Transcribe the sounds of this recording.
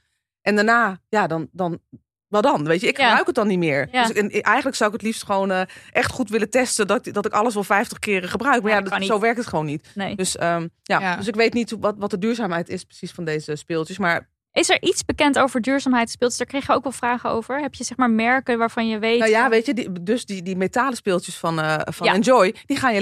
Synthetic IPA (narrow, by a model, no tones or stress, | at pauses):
ʔɛndanaːjadɔndɔn | ʋɛlˠdɔnʋejtjəɪkχəbrœɥkət̚dɔnːitmɪːɹsɛnʔɛjxənləksawɪkətlifstχəʋownəʔɛχtχutʋɪlətɛstədɔdɔtɪkɑləsʋɛlˠfɛjftəχkɪːrəχəbrœɥkmaɹjasowʋɛɹk̚tətχəʋownːitnedøsəjadøs̬ɪkʋejtnitʋɔtʋɔtədyːɹzaːmɦɛjtɪsprə̥sisfɔndejzəspɪːlˠtjəsmaːɹ | ʔɪsɛɹʔitsbəkɛntowvəɹdyːɹzaːmɦɛjtspɪːlˠtəsdaːɹkrɛjxjəoːkʋɛlˠfraːχəo̰wvəɹɦɛpjəzɛχmaːɹmɛɹkəʋaːɹvɑnjəʋejnjaʋejtjədidøsdidimetaːləspɪːlˠtjəsfɔnəfɔnɛnd͡ʒɔjd̥iχaːnjə